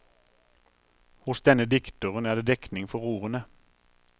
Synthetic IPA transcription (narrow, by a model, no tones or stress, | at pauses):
hʊsd̪ɛnəd̪ɪkt̪ʊʁənæːd̪eːd̪ɛknɪŋfɔʁuːʁənə